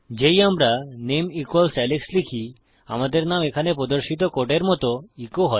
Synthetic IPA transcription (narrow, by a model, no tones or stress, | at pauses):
d͡ʑejamɾanemikɔlsɛlekslikʰi | a̰mat̪̬eɾnaʋekʰanepɔd̪ɔɾɕit̪̬ɔkɔʈeɾmɔt̪ɔikɔɦɔt̪